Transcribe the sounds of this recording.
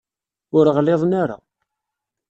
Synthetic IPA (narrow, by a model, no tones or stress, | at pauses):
ʊɾəʁleðˤnaɾa̰